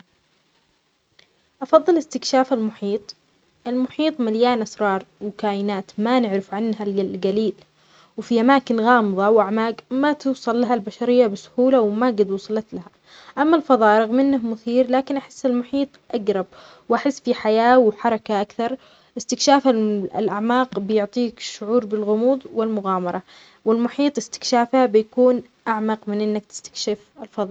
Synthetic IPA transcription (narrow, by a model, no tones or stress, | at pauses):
ʔɑfɑðˤːɨlɪst̪ɪkʃaːfalmʊħiːt̪ˤ | ʔɪlmʊħiːt̪ˤmaljaːnʔasɾˤɑːɾˤwkaːjɪnaːt̪manɪʕɾɪfʕanːɦallɡaliːl | wfiʔamaːkɪnɣɑːmɨðˤɑwʔaʕmaːɡmat̪ɪwsˤɑlːaɦalbaʃaɾɪjːabɪsʊ̥huːlawmaɡad̪wʊːsˤɑlɑt̪laha | ʔamːalfɑðˤɑːʔɾˤɑɣmɪnːahmʊθiːɾlaːkɪnʔaħɪsːɪlmʊħiːt̪ˤʔaɡɾˤɑb̚ | wʔaħɪsːfiħajaːwħɑɾˤɑkaʔakθɑɾˤ | ʔɪst̪ɪkʃaːfa̰lʔaʕmaːqbɪjʊʕt̪ˤiːkʃːʊʕuːɾbɪlɣʊmuːðˤwɪlmʊɣaːmɑɾˤɑ | wɪlmʊħiːt̪ˤɪst̪ɪ̥kʃaːfhabɪjakuːn | ʔaʕmɑqmɪnʔɪnːak̚t̪ɪ̥st̪ḁkʃɪfɪlfɑðˤɑː